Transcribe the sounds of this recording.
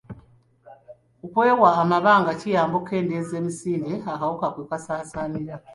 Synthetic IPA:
ukweːwaːmaβaːŋɡacijaːmboke̞ːndezeːmisiːndeakawukakwekasaːsaniɾa

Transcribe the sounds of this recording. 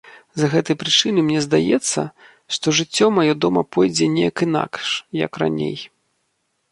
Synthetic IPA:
zɐɣɛt̪ɐjpɾɨt͡ʂɨnɨmnʲɛzd̪ajɛt̪sːɐ̰ | ʂt̪ɔʐɨt͡sʲːɔmajɔd̪ɔmɐpɔjd͡zʲɛnʲejɐkina̰kʂjɐ̰kra̰nʲḛj

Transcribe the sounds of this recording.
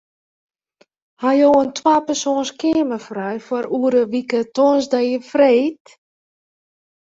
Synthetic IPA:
hajoːəntwaːpɛrsoːnskɪəməfrɛjfɔɾuəɾəʋikətonsdajəfreːt

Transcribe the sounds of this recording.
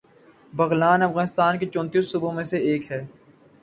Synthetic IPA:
bɐɣlaːnɐfɣaːnɪst̪aːnket͡ʃɔ̃ːnt̪iːsːʊbõmẽseeːkɦɛː

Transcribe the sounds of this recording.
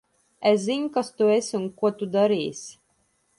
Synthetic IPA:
eszinʲkast̪uesʲunkuɔt̪ud̪aɾiːs

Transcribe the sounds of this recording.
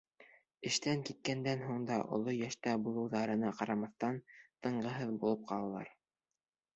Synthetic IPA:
ɘ̆ʃt̪æŋkit̪̚kænd̪ænɦuɴd̪ɑʔŏ̰lˠojæʃt̪æbulˠɤ̆wðɑɾɤ̆nɑqɑɾɑmɑθt̪ɑnt̪ɤ̆ɴɢɤ̆ɦɤðbulˠɤp̚qʰɑlˠɑlˠɑ̰ɾ

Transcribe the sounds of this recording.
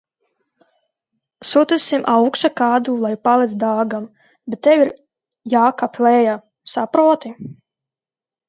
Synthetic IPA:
sut̪isimʔawkʃakaːd̪uːlˠajpalˠit̪sd̪aːɡam | bet̪ːɛwiɾ | jaːkapʰʲlɛːja | sapɾuɔt̪i

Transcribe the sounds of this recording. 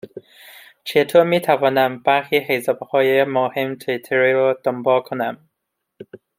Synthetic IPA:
t͡ʃʰet̪ʰoɾmiːt̪ʰævɒːnæmbæɾxihezɒːbhɒːjemohemt̪ʰit̪ʰeɾiɾɔd̪̥ombɒlkʰonæm

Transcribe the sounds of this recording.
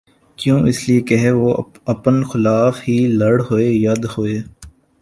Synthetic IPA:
kjõːʔɪsliekɐɦeʋoː | ɐpənxɪlaːfɦilɐɽɦoːeːjɐd̪hoeː

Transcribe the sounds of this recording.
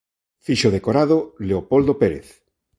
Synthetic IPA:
fiʃoðekoɾaðoleopold̪opeɾḛθ

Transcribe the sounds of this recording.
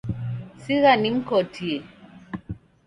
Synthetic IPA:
siɣaniŋ̩kɔtʰie

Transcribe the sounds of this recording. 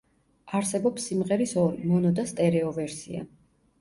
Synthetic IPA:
aɾsɛbɔpsːimʁɛɾisɔmɔnɔd̪ast̪ʼɛɾɛɔvɛɾsḭa̰

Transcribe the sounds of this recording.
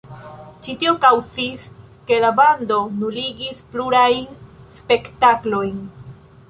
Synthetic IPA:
t͡ʃitio̞kawt͡sis | ke̞labando̞nuɾiɡispluɾajnspe̞ktaklo̞jn

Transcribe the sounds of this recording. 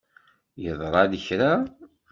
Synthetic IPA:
jəðˤɾˤɑðəçɾa

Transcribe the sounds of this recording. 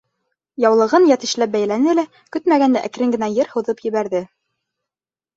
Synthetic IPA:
jɑwlˠɤ̆ʁɤnjæt̪ɘ̆ʃlæp̚bæjlænɘlæ | kɵt̪mæɡænd̪æʔækɾɘŋɡɘ̆næjɤɾhŏðɤpjɘ̆βæɾðɘ

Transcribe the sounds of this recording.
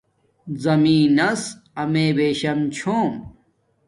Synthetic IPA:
zɐmĩːnɐsɐmeːbeːɕɐmt͡ɕʰoːm

